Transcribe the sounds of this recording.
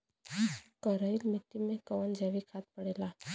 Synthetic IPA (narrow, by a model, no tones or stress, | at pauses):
kəɾəilmiʈːimekəʋənd͡ʑaʋikʰat̪̚pəɽela